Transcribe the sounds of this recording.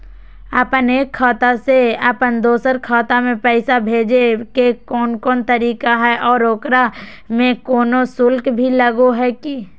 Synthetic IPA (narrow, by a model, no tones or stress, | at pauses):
ɐpəneːkʰːaːt̪aseɐpənd̪oːsəɾkʰɔːt̪amẽpɛːsabʱeːd͡ʒekekɔːnkɔːnt̪ɐɾiːkaɦɛʔɔːɾoːkɾa | mẽkɔːnosʊlkbʱilɐɡoɦɛki